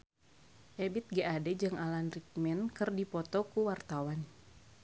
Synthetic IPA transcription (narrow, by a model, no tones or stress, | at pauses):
ʔebit̪̚ɡaadɛd͡ʒɨŋʔalanrik̚mɛnkɨrdipɔt̪ɔkuwart̪awan